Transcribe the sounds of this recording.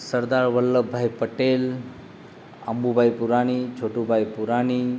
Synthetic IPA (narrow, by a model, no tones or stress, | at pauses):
səɾd̪aɾʋəlːəbʱajpəʈel | ə̰mbubʱajpuɾaɽ̃it͡ʃʰoʈubʱajpuɾaɽ̃i